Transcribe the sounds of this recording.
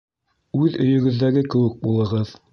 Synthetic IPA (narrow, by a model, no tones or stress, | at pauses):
ʉðɵ̆jɵ̆ɡɵ̆ðːæɡɘkɘ̆wɘk̚bulˠɤ̆ʁɤð